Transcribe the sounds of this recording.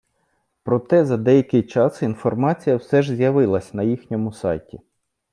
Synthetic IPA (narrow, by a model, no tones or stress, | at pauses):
pɾɔt̪ɛzɐd̪ɛjɐkɪjt͡ʃɑsinfɔrmɑt͡sʲijɐwsɛʒzʲjɐʋɪlˠɐsʲnɐjixnʲɔmʊsɑ̰jtʲi